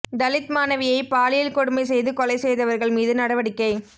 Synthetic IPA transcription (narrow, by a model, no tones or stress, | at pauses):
d̪ɐlɪt̪maːnɐʋɪjɐɪpaːlɪjɪlkɔɽɯmɐɪsɛjðɯkɔlɐɪsɛjðɐʋɐɾɣɐɭmiːðɯnɐɽɐʋɐɽɪkːɐɪ